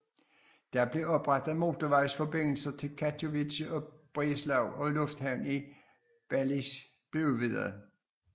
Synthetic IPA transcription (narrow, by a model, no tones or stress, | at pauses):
d̥ɑ̈b̥le̝ɒ̽b̥ʁɑd̥ð̩ˠmo̝t͡sʰoʋɑ̈ɪsfɒ̽be̝n̰l̩sɐt͡sʰe̝lkʰæt͡sʰoʋiɕɒ̽b̥ʁislɑʊɒ̽lɔ̽fd̥hæʊ̰ni | b̥ælis | b̥le̝uʋið̰ˠɐðˠ